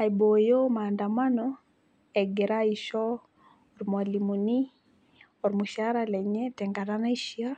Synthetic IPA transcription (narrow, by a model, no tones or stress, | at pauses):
aibojomaːndamanɔ | ɛɡɛɾaiʃɔː | ɾmwalimuni | ɔɾmuʃaɾalɛɲɛtɛŋɡaɾanaiʃia